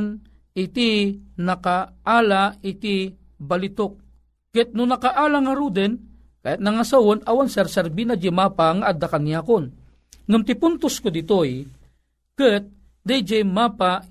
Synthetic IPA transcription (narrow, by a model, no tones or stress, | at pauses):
n | ɪt̪inakaʔalaɪt̪i | balɪt̪ok̚ː | ɪt̪̚nʊnɐkaʔaːlaŋaɾud̪ɛn | ka̰jat̪̚naŋasawonawansɛɾsɛɾbinad͡ʒɪmapaŋaʔːd̪akanijaːkon | ŋamt̪ɪpʊnt̪ʊskʊd̪ɪt̪oj | kɨt̪̚ | d̪ajd͡ʒɛjmapa